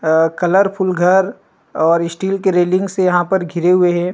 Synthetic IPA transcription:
kɐləɾpʰʊlɡʱɐɾ | ɔːɾɪsʈiːlkeɾeːlɪ̃ŋɡsejɐɦãpɐɾɡʱɪɾeɦʊeɦɛ̃ː

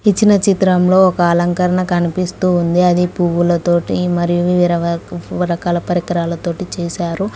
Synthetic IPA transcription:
it͡ʃːinɐt͡ʃit̪ɾɐmlo̞ːɔkɐːlɐŋkɐɾɐɳɐkɐnipist̪uːnd̪iɐd̪ipuːwulɐt̪o̞ːʈimɐɾijuʋiʋɾɐɾɐkaːlɐpɐɾikɐɾaːlɐt̪o̞ːʈit͡ʃɛːsaːɾu

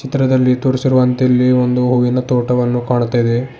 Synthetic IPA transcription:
t͡ʃit̪ɾɐd̪ɐlːit̪uːɾisiɾuʋɐnt̪elːio̞nd̪uɦuʋinɐt̪oːʈɐʋɐnːukaːɳut̪ːaːid̪e

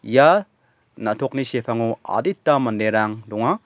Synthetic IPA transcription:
ja | natʰɔk̚nisepʰaŋua̰ditːamɐndeɾaŋdɔŋa

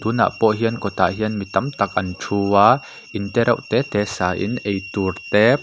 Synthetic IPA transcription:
t̪uːna̰ːpɔʔɦiənkɔt̪a̰ɦiənmit̪ɐmt̪ɐk̚ʔɐnʈ͡ʂʰuwaː | ʔɪnt̪ɛɾɐ̰ʔt̪ɛːt̪ɛːsaːʔɪ̰nʔejt̪urt̪ɛː

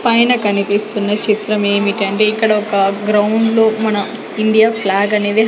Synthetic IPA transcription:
pɐjnɐkɐnipist̪unːɐt͡ʃit̪ɾɐme̞ːmiʈiɐɳʈe̞ːikːɐɽɐɔkɐɡɾɐwɳɖloːmɐnɐm | iɳɖijaːpʰlaːɡɐne̞ːd̪iɦ

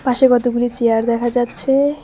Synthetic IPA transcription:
paʃekɔt̪oɡulit͡ɕeaɾd̪ɛkʰad͡ʑatːɕʰe

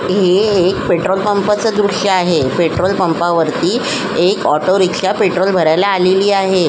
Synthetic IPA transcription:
ɦeːkpeʈɾolpəmpat͡səd̪ɾuʂjəaɦepeʈɾolpəmpaʋəɾt̪iː | ekɔʈoɾikɕapeʈɾolbʱəɾajlaaleliːaɦe

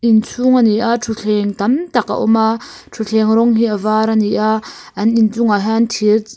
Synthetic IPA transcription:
ʔint͡sʰuŋaniʔatʰuɬʰɛŋt̪ɐmt̪aka̰ʔɔ̰mʔa | tʰuɬʰɛŋɾɔŋɦiʔəvaːɾaniʔa | ʔɐnʔint͡suŋaɦant̪ʰir

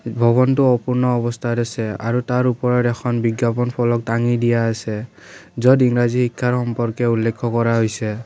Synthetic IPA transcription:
bʱɔβɔntuɔpuɹnɔːbɔst̪ʰadɛsɛa̰ɹutaɹupɔɹɔtɛxʰɔnbiɡjapɔnpʰɔlɔk̚taŋidijaːsɛ | zɔdiŋɹazihikʰːaɹxɔmpɔɹkɛulːekʰːɔkɔɹaɦojsɛ

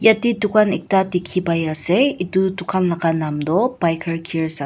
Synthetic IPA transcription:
jatitukʰanik̚tatikʰibajaseitutukʰanlakanamdɔpajkʰɐɾkʰiɾsa

